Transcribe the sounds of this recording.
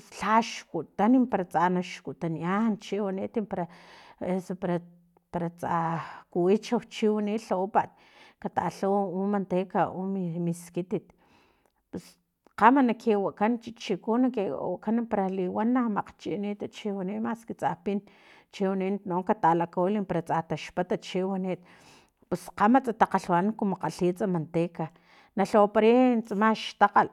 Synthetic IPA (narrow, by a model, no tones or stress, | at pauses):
sɬaʃkuʔt̪animpaɾat͡sanaʃkuʔt̪aniant͡ʃiwanit̪impaɾaesopaɾa | paɾat͡sakuwit͡ʃawt͡ʃiwaniʔɬapaʔt̪̚ | kat̪a̰ɬawumant̪ekaʔumimiskit̪it̪ | pes | qamanakʰewaʔkant͡ʃit͡ʃikunakewa̰kanpaɾaliwanːamaqt͡ʃiʔnit̪at͡ʃiwanimaskit͡sʼapin | t͡ʃewaninnoŋkat̪alakolimpaɾat͡sʼat̪aʃpat̪at͡ʃiwaniːt̪̚ | pesqamat͡sʼat̪aqaɬwankumoqaɬiːt͡sʼamant̪eːka | naɬopaɾint͡samaʃt̪aqal